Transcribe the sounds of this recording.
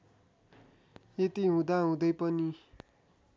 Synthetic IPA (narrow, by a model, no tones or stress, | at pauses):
jet̪iɦũd̪aɦũd̪ʌjpʌni